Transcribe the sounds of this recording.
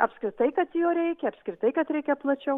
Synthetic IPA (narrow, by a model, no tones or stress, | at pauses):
ɐpskɾʲɪt̪ɐɪkɐt̪joːɾʲɛɪkʲɛɐpskɾʲɪt̪ɐɪkɐt̪ɾʲɛɪkʲɛplˠɐt͡ʃʲɛʊ